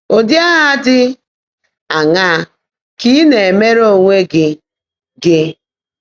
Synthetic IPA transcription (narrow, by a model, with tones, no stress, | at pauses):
o˨dja˦ɦaa˦dɪ˦ | a˨ŋa˦˨ | ki˦ne˨e˨me˦ɾo˦˨ŋʷe˦ɡɪ˦ | ɡɪ˦